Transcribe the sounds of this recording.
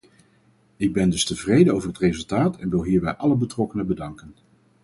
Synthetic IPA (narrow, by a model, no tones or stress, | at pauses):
ɪɡ̚bɛndɵstəvrejdəowvərɦətrejzɵlˠtaːtʰɛnʋɪlˠɦiːɹbɛjʔɑləbətrɔkənəbədɑŋkən